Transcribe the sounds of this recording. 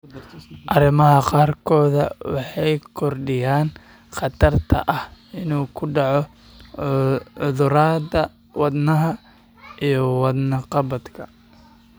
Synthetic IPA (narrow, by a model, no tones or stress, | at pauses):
ʔɐɾɪmɐɦɐqɑːrkʰɔːðɐ̰wɑħɑjkʰɔrɖɪjaːn | qɑt̪ʰɐrt̪ʰɐ̰ʔɐhɪnuːkʰʊɖɑʕɔ | ʊðʊɾaːd̪ɐ | wɑd̪nɐɦɐ | ijɞwɑd̪nɐqɑβɐd̪kʰɐ̰